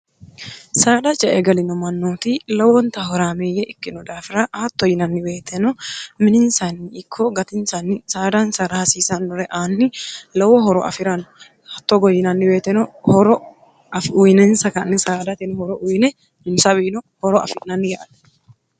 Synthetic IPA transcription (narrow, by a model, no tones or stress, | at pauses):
saːd̪ɐt͡ʃʼɛʔɛɡɐlɪnɔmɐnːoːt̪ilɔwɔnt̪aɦɔɾaːmeːjɛʔɪkːɪnɔd̪aːfɪɾɐɐt̪ːɔjɪnɐnːɪweːt̪ʰɛnɔmɪnɪnsɐnːɪːkʰːoɡɐt̪ɪnsɐnːɪsaːd̪ɐnsɐɾɐhɐsiːsɐnːɔɾɛʔaːnːɪlɔwɔɦɔɾɔ̰ʔɐ̰fɪɾɐnːɔ | hɐt̪ːɔɡɔjɪnɐnːɪweːt̪ːɛnɔhɔɾɔ | ɐfujɪnɛnsɐkɐnːɪsaːd̪ɐt̪ɛnɔhɔɾɔʔʊjɪnɛ | ɪnsɐβinɔhɔɾɔʔɐ̰fɪnɐnːɪjɐʔɐn